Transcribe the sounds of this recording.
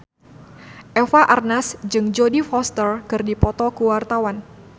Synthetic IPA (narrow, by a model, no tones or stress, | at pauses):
ʔɛfaʔarnasd͡ʒɨŋd͡ʒodifɔst̪ərkɨrdipɔt̪ɔkuwart̪awan